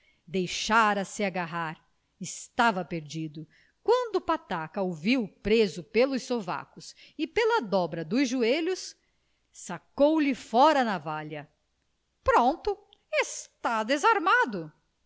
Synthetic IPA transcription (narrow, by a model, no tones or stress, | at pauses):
d̪ejʃaɾɐsɪaɡaɦaɾ | ɪst̪avɐpeɾd͡ʒid̪ʊ | kwɐ̃nd̪ʊːpat̪akɐoviwpɾezʊpelʊssova̰kʊsɪpelɐd̪ɔbɾɐd̪ʊzʒueʎʊs | sakowlɪfɔɾɐnɐvaʎɐ | pɾõnt̪ʊ | est̪ad̪ezaɾmad̪ʊ